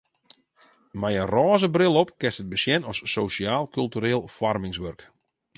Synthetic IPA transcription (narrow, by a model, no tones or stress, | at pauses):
mɛjənrɔːzəbrɪlˠɔpkɛstət̚bəsjɛnɔsːosiaːlˠkylˠtyɾeːlˠfɔrmɪŋsʋørk